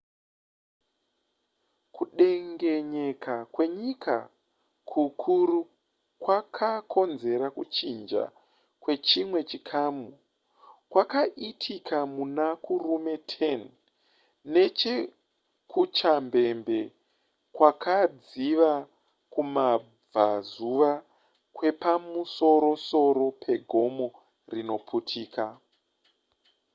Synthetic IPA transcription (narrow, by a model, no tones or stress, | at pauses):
kuɗe̞ŋɡe̞ɲe̞kakwe̞ɲika̰ | kʰukʰuru | kwakʰakʰo̞nze̞ɾakut͡ʃind͡ʒa̰ | kwe̞t͡ʃimwe̞t͡ʃikʰaːmu | kwakaʔitʰikʰamunakurume̞tʰen | ne̞t͡ʃe̞ | kʰut͡ʃambe̞mbe̞ | kwakʰad͡ziʋa | kuma | b͡vazuʋa | kwe̞pamuso̞ɾo̞so̞ɾo̞pʰe̞ɡʱo̞mo̞ | rino̞pʰutʰiːka